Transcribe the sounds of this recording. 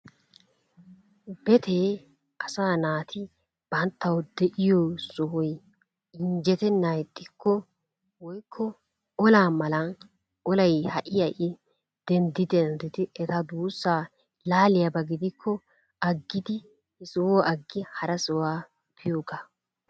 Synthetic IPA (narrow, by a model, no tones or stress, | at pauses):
bɛt̪ʰeː | ʔɐsaːnaːt̪ʰɪ | b̥ɐnt̪ːɐwd̪ɛʔɪjoːsɔɦɔj | ɪɲd͡ʒɛt̪ɛnːajɛt̪ʼːɪkʰːɔ | wɔjkʰːɔ | ɔlaːmɐlɐn | ɔlɐjhɐʔɪjɐʔɪ | d̪̥ɛnd̪ɪd̪ɛnd̪ɪt̪ɪʔɛt̪ɐd̪uːsːaː | laːlɪjɐbɐɡɪd̪ɪkʰːɔ | ɐɡːɪd̪ɪ | hɪsʊwoːʔɐɡːɪhɐɾɐsɔwaː | pʰɪjoːɡa